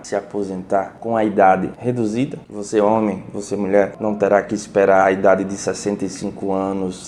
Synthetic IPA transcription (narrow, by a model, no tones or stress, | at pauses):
sɪapozẽnt̪aɾkõɐid̪ad̪ɪ̰hed̪uzid̪ɐvoseõmẽj̃vosemuʎɛɾnɐ̃w̃t̪eɾakɪispeɾaɾɐid̪ad̪ɪd̪ɪsɛsẽnt̪ɐjsĩŋkʊɐ̃nʊs